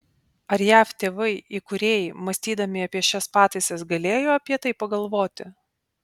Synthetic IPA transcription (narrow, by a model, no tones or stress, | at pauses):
ɐɾjæːft̪ʲeːʋɐɪikʊɾʲeːjɪmɐsʲt̪ʲiːd̪ɐmʲɪɐpʲiɛʃʲɛspɑːt̪ɐɪsʲɛsɡɐlʲeːjoːɐpʲiɛt̪ɐɪpɐɡɐlˠʋoːt̪ʲɪ